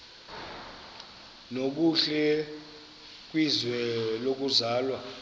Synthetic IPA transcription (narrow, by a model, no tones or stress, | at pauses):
nok̬uɬɛ | k̬ʼwizwɛlok̬uzaːlwa